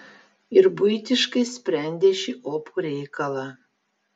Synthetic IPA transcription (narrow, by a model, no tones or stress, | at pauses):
ɪɾbʊjɪt̪ʲɪʃkɐɪsʲpʲɾʲɛnʲd̪ʲeːʃʲiːʔoːpʰuɾʲɛɪkɐlˠɑː